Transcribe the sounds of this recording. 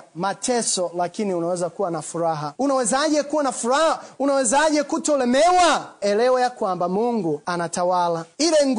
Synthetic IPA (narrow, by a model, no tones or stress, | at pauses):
matʰɛsɔlakiniunawɛzakuwanafuɾaɦaunawɛzaʄɛkuwanafuɾahaunawɛzaʄɛkutɔlɛmɛwaɛlɛɔjakwambamuŋɡuanatawalailɛŋ